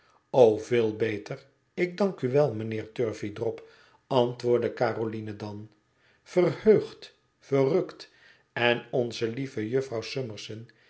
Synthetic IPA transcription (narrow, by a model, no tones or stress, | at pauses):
owvɪːlˠbejtər | ɪɡ̚dɑŋkyʋɛlˠmənɪːɹtøɹvidrɔp | ɑntʋʊːɹdəkaːrolinədɑn | fərhøːχt | fərɵkt | ɛnɔnzəlivəjøfrɑwsøməɹsən